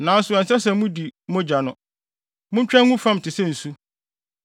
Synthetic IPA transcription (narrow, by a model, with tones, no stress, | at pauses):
nãː˨˦sʊ˨ɛ˨sɛ˦sɛ˨˦mũ˦di˨mʊ̃˦d͡ʑa˨nʊ̃˨ | mʊ̃˦ɲ˦t͡ɕᶣɛ˦ŋũ˦fã˦m˨tʰɪ˨sɛ̃˦n̩˨su˦